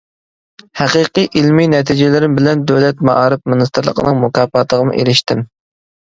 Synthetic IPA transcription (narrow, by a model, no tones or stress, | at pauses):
hæqiqiʔilminɛt̪ʰid͡ʒɪlɪɾɪmbɪlɛnd̪øwlɛt̪̚mɑ̰ʔɑːɾɨp̚mɨnɨst̪ɨɾlˠə̰qʰənɨŋmukɑːpɑːt̪ʰəʁəmṵʔḛɾɪʃt̪ɪm